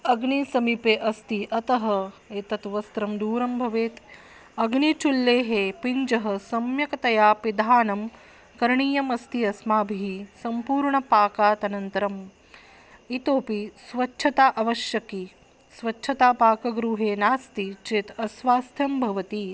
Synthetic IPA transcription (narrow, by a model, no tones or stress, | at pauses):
ɐɡɳisɐmipeːʔɐst̪iʔɐt̪ɐɦɐeːt̪ɐt̪ʋɐst̪ɾɐmd̪uːɾɐmbʱɐʋeːt̪ | ɐɡɳit͡ʃulːeːɦeːpiɲd͡ʒɐɦɐsɐmjɐkɐt̪ɐjaːpid̪ʱaːnɐm | kɐɾɳiːjɐmɐst̪iɐsmaːbʱiɦisɐmpuːɾɳɐpaːkaːt̪ɐnɐnt̪ɐɾɐm | it̪oːpisʋɐtːʃʰɐt̪aːʔɐʋɐʃjɐki | sʋɐt͡ʃːʃʰɐt̪aːpaːkɐɡɾuːɦeːnaːst̪it͡ʃeːt̪ɐsʋaːst̪ʰjɐmbʱɐʋɐt̪i